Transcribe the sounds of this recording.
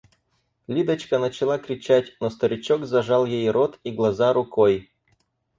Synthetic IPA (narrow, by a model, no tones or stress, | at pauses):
lʲid̪ət͡ɕkənət͡ɕɪlˠakɾʲɪt͡ɕætʲnost̪ɐɾʲɪt͡ɕokzɐʐɑlˠjejɾot̪iɡlˠɐzaɾʊkʰoj